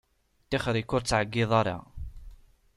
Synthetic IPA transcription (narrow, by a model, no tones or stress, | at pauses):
t̪ːiχɾikːʊɾt͡sːʕəɡːɪðˤɑɾˤɑ̰